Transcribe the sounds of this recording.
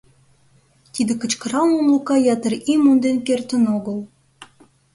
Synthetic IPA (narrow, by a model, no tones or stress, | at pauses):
t̪id̪ĕkə̆t͡ɕkɤ̆ɾɑnunlˠukɑjɑt̪ə̆ɾimund̪enkert̪ə̆noɣɤ̆lˠ